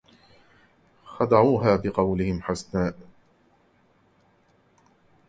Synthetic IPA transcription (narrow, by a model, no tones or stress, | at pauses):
xɑd̪ɑʕuːɦaːbɪqɑwlɪhɪmħasnaːʔ